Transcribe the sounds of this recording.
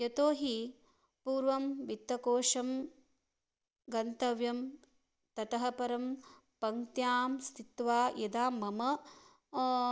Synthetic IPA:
jɐt̪oːɦi | puːɾʋɐmʋit̪ːɐkoːʂɐm | ɡɐnt̪ɐʋjɐm | t̪ɐt̪ɐɦɐpɐɾɐm | pɐŋt̪jaːmst̪ʰit̪ʋaːjɐd̪aːmːɐmɐ

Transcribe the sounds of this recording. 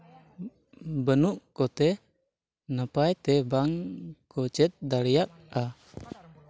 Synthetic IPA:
bənuʔkɔt̪ɛ | nəpajt̪ɛbaŋkʰɔt͡ʃɛt̪̚d̪alijak̚a

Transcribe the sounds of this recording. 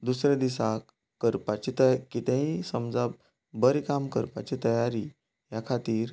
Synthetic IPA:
d̪usɾad̪isak | kːəɾpat͡ɕit̪əkit̪ɛ̃ɦĩsəmd͡zab̚ | bəɾikamkəɾpat͡ɕit̪əjaɾi | jakʰat̪iːɾ

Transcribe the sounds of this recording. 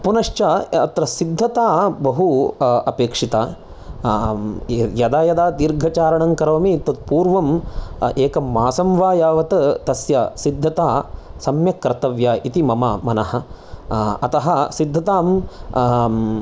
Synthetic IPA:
punɐʂt͡ʃaːɐt̪ɾɐsid̪ʱːɐt̪aːbɐɦuɐpeːkʂit̪aː | jɐd̪aːjɐd̪aːd̪iɾɡʱɐt͡ʃaːɾɐɳɐŋkɐɾɐʋɐmit̪ɐt̪̚puːɾʋɐmeːkɐmːaːsɐmʋaːjaːʋɐt̪ɐt̪ɐsjasid̪ʱːɐt̪aːsɐmjɐkːɾɐt̪ɐʋjaːʔit̪imɐmɐmɐnɐɦɐ̆ | ɐt̪ɐɦɐsid̪ʱːɐt̪aːm

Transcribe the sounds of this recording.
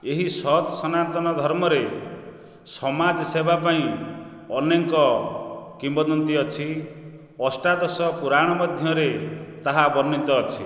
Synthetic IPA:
eɦisɔt̪sɔnat̪ɔnɔd̪ʱɔɾmɔɾe | sɔmad͡ʒsebapaĩ | ɔneŋkɔkimbɔd̪ɔnt̪iɔt͡ʃʰi | ɔsʈad̪ɔsɔpuɾaɽ̃ɔmɔd̪ʱjɔɾet̪aɦabɔɾnint̪ɔːt͡ʃʰi

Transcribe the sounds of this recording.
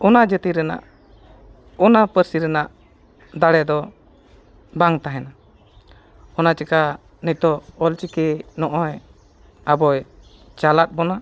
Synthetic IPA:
ɔnad͡ʒət̪iɾɛna̰ʔ | ɔnapəɾsiɾɛnaʔ | d̪aɽɛd̪ɔ | baŋt̪aɦɛna | ɔnat͡ʃika | nic̚t̪ɔɔlt͡ʃikɛnɔʔɔj | abɔj | t͡ʃalat̪̚ˀbɔna

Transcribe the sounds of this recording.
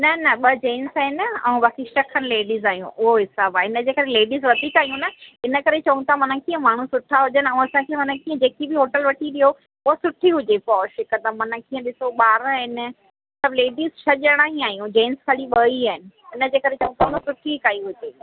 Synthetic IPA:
nɐnɐɓɐd͡ʑẽːnsaːɦɪnɛ̃ũʋaːkiʃɐkʰənɪ̆leːɖizaːɦijṵ̃ʔʊɦoɦɪsaːbaɪnə̆d͡ʑeːkɐɾeleːɖizʋɐd̪ʱikaːijũnɐɪnə̆kɐɾet͡ɕɐʋũt̪ʰamɐnə̃kiːə̃maːɳ̤ũsʊʈʰaɦʊd͡ʑənɪɛ̃ũɐsãkʰeɦʊnəkiːə̃d͡ʑeːkibʱɪɦoːʈəlʋɐʈʰiɗijo | ʊɦosʊʈʰiɦʊd͡ʑepɔːʃɪkət̪amɐnə̆kiːə̃ɗɪsoɓaːɾɪn | sɐbleːɖizʃʰɐʄəɽ̃aːɦiaːɦijũd͡ʑẽːnskʰɐɽiɓɐiaːɦɪnɪ̆ | ɪnəd͡ʑeːkɐɾet͡ɕɐʋũt̪ʰaʊnũsʊʈʰikaːiɦʊd͡ʑeː

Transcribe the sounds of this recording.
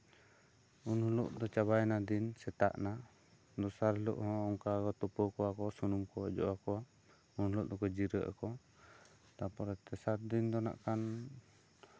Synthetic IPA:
unhuluʔd̪ɔt͡ʃaβajnad̪insɛt̪a̰ʔna | d̪ɔsaɾɦlṵʔhɔ̃ɔŋkakɔt̪ɔpɔkɔwakɔsunumkɔɔ̰d͡ʒɔ̰ʔakɔwa | unhuluʔd̪ɔkɔd͡ʒiɾəʔa̰kɔ | t̪apɔɾɛt̪ɛsaɾ̚d̪ind̪ɔna̰ʔkan

